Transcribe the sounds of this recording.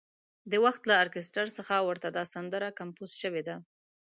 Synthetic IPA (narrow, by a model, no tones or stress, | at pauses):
d̪əwaxt̪laːɾkɪsʈaɾsəxawəɾt̪ad̪ɑsand̪əɾakampuz̥ʃəwed̪a